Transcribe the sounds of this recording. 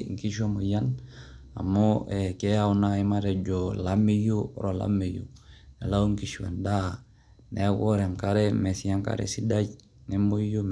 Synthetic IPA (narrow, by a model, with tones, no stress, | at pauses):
ŋ˨ki˦ʃ̬o˦mo˨ja˦na̰˨mo˦ɛkɛ˦a˦wu˦na˦i˦ma˦ɾɛ˨d͡ʒo˨la˦mi˦ju˦ɾo˨la̰˦me˨jṵnɛ˨la˦u˦ŋki˦ʃwa̰˨nda˦ | nɛ˦ɡo˦ɾɛ˨mkaɾɛ˦mɛ˨si˦ja˦ŋka̰˦ɾɛ̰˦si˦da˦ɟ | nɛ˦mo˦jo˦m